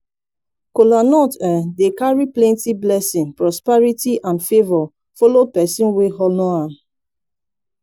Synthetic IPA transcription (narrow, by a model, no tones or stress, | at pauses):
kolanɔtɛdekaɹiplɛ̃ntiblɛsĩŋpɹɔspɛɹitiʔãnfevɔ | fɔlopɛsĩnweɦɔnɔ̃ãm